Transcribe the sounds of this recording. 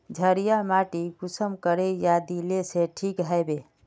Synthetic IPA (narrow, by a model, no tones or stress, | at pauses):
d͡ʒʱəɾijamaʈiɡusəmkəɾejad̪ileseʈʰikɦajbe